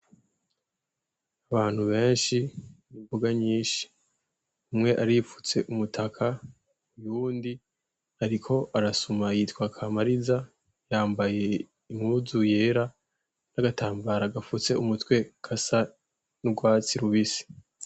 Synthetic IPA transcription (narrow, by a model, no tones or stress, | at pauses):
aβaːn̥huβe̞ːnʃiβuvuɡaɲiːʃi̥ | umŋe̞ʔaɾifu̥t͡se̞ʔumutʰakʰa | ujuːndi | haɾikʰo̞ʔaɾasumajiːtwakʰamaɾiza | jaːmbaje̞ | imuzuje̞ːɾa | naɡatʰaːmbaɾaɡafut͡se̞umutkwe̞kʰasa | nuɡwaːt͡siɾuβisi̥